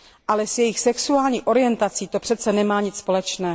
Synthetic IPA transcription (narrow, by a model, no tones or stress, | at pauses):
ʔalɛsjɛjɪxsɛksuaːlɲiːxʔo̞ɾɪjɛnt̪at͡siːt̪o̞pr̥ɛt̪t͡sɛnɛmaːɲɪt͡sspo̞lɛt͡ʃnɛː